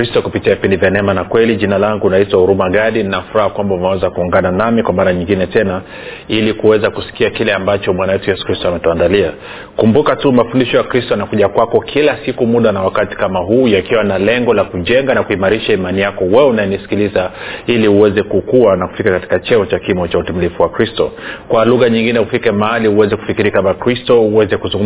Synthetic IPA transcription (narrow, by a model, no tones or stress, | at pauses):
kɾistɔkupitiavipindivjanɛmanakwɛliʄinalaŋɡunaitwahuɾumaɡaɗininafuɾahakwambaunɛwɛzakuːŋɡananamikwamaɾaɲiŋɡinɛtɛna | ilikuwɛzakusi̥kiakilɛambat͡ʃɔmwanawɛtujɛsu̥kɾistɔamɛtɔandalia | kumbukatumafundiʃɔjakɾistɔjanakuʄakwakɔkʰilasikumuɗanawakati̥kamaɦuːjakiwanalɛŋɡɔlakuʄɛŋɡanakuimaɾiʃaimanijakɔwɛunaɛnisi̥kilizailiuwɛzɛkukuanaku̥fikakati̥kat͡ʃɛɔt͡ʃakimɔt͡ʃautɛmilifuwakɾistɔ̰kwaluɣaɲiŋɡinɛufikɛmahaliuwɛzɛku̥fikiɾikamakɾistɔuwɛzɛkuzuŋɡu